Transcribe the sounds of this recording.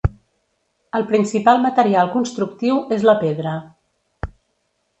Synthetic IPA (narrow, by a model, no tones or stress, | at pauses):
əlˠpɾinsipalˠmət̪əɾialˠkunst̪ɾukt̪iwezləpeðɾə